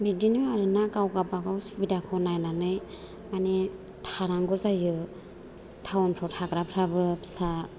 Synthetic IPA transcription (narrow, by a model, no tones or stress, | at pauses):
bidinɯaɾɯnakawɡapaɡawsbidakʰɔnajnanɯj | mane | tʰaɾaŋɡɯzajɯ | tʰawɔnpʰɾɔtʰaɡɾapʰɾabɯpʰsa